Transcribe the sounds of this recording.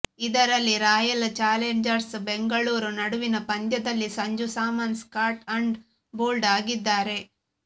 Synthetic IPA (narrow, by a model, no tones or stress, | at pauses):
id̪ɐɾɐlːiɾaːjɐlt͡ʃaːleɲd͡ʒɐɾsbeŋɡɐɭuːɾunɐɽuʋinɐpɐnd̪jɐd̪ɐlːisɐɲd͡ʒusaːmɐnskaːɾʈɐɳɖ | boːlɖaːɡid̪ːaːɾe̞